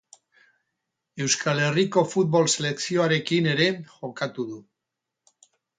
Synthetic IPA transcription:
e̞wskale̞riko̞fut̪̚βo̞lse̞le̞ksio̞aɾe̞kine̞ɾe̞xo̞kat̪uðu

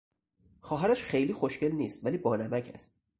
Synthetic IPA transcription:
xɒːɦæɾæʃxejliːxoʃce̞lniːst̪væliːbɒːnæmæcʰæ̰st̪

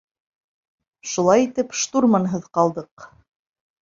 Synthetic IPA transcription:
ʃulˠɑjit̪ɘpʃt̪uɾmɑnɦɤðqɑlˠd̪ɤq

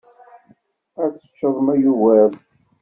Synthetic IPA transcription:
æt͡sːə̥t͡ʃːəðˤəmæjuwæɾ

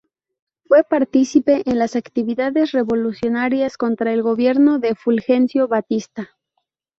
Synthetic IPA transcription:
fwe̞paɾt̪isipe̞ʔenlasakt̪iβiðaðe̞sre̞βo̞lusjo̞naɾjasko̞nt̪ɾae̞lɣo̞βje̞ɾno̞ðe̞fulxe̞nsjo̞βat̪ist̪a

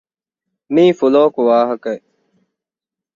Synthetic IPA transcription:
mĩːfʊloːkwaːɦəke

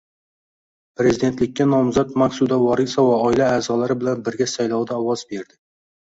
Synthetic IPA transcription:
pɾe̞zɪd̪e̞nt̪lɪk̚ʲːanɒmzat̪maχsud̪awɒɾɪsavaɒɪlaːzɒlaɾɪbɪlanbɪɾɡʲasajlɒwd̪aɒwɒzbe̞ɾd̪ɪ

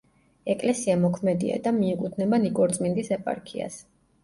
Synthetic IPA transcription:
ɛkʼlɛsiamɔkʰmɛd̪ḭa̰d̪amiːkʼut̪ʰnɛbanikʼɔɾt̪sʼmind̪isɛpʼa̰ɾkʰḭa̰s

